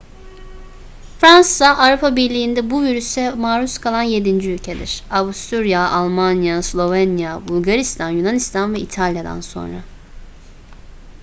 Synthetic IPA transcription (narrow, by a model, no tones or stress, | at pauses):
fɾansaʔaːɾupʰabiɾlʲijːnd̪ɛbuviɾysɛmaːɾuskʰalˠanje̞d̪ind͡ʒiylʲcʰed̪iɾ̥avust̪uɾjaalˠmanjaslˠo̞vɛnjabulˠɡaɾist̪ʰanjunanist̪ʰanvɛit̪ʰalʲjad̪a̰nso̞̰nɾa̰